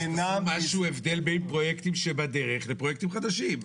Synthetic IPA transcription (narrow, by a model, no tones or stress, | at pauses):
enamaʃuevd̪e̞lbejnpʁo̞jekt̪imʃebad̪eʁeχlepʁojekt̪imχad̪aʃim